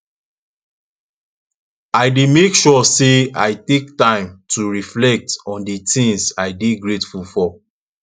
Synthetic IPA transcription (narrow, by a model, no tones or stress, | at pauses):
aɪdemekʃɔseaɪtek̚tãɪ̃mtʰuɹiflɛk̚tɔ̃nditĩŋsaɪdeɡɹetfulfɔ